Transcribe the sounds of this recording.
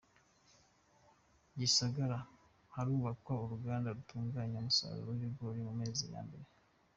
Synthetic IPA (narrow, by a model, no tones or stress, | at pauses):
ɟisaɡaɾa | haɾuːβakwauɾuɡaːndaɾutuːŋɡaːɲamusa̰ɾṵɾojiɡoɾimume̞ːzija̰ːmbe̞ɾe